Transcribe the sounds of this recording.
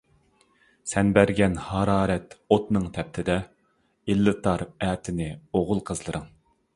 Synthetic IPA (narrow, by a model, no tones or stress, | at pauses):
sɛnbæɾɡʲɛnhɑɾɑːɾɛt̪ot̪nɨŋt̪ʰɛp̚t̪ʰɪd̪ɛ | ilːɨt̪ʰɑɾɛːt̪ʰɪnɪoʁʊlˠqʰəzlˠɨɾɨŋ